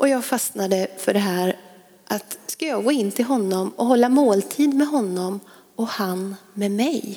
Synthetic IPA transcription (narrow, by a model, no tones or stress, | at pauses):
ʔɔjɑːɡfasnad̪əfœɖɛɦæːɾ | ʔat̪skajɑːɡoːɪnːt̪ʰɪlɦɔnːɔmɔɦɔlːamoːlt̪ʰiːd̪mɛɦɔnːɔm | ɔhanmɛmɛj